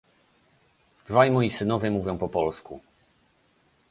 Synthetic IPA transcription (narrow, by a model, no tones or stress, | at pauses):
d̪vajmɔjisɘnɔvʲjɛmuvʲjɔ̃w̃pɔpɔlskṵ